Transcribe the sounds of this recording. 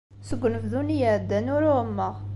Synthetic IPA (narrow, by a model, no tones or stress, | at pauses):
səɡʷːnəfðunijæʕd̪ːænʊɾʊmːəʁ